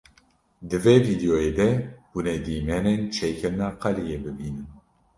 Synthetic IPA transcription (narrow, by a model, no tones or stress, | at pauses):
d̪ɨveːviːd̪ijoːjeːd̪ɛb̥uned̪iːmɛneːnt͡ʃʰekʰɛɾnaːqɛlijeːbɨbiːnɨn